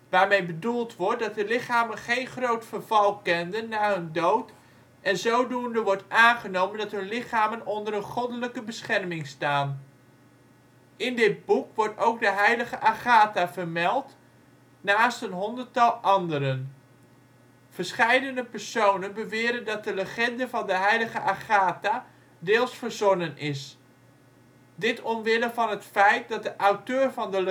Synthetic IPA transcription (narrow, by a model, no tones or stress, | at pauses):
ʋaːɹmejbədulˠtʋɔɹt̚dɑt̚dəlɪχaːmənχejnχrowtfərvɑlˠkɛndənːaːɦɵndowt | ʔɛnzowdundəʋɔɹtaːnχənowməndɑtɦɵnlɪχaːmənɔndəɾənχɔdələkəbəsχɛrmɪŋstaːn | ɪndɪd̚bukʋɔɹtowkdəɦɛjləχəʔaχaːtaːvəɹmɛlˠt | naːstənɦɔndərtɑlˠʔɑndəɾən | v̥ərsχɛjdənəpɛrsownənbəʋɪːɾəndɑt̚dələχɛndəvɑndəɦɛjləɣəʔaχaːta | dɪːlˠsfəɹzɔnənʔɪs | dɪtʰɔmʋɪlənvɑnɦətfɛjt̚dɑt̚dəʔawtøːrvɑndəl